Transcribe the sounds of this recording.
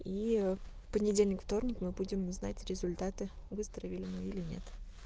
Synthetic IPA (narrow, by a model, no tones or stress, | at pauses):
i | pənʲɪdʲelʲnʲɪkft̪o̞rnʲɪkmɨbudʲɪmʊzna̰tʲɾʲɪzʊlʲt̪at̪ɨvɨst̪əɾəvʲɪlʲɪmɨilʲɪnʲe̞̰t̪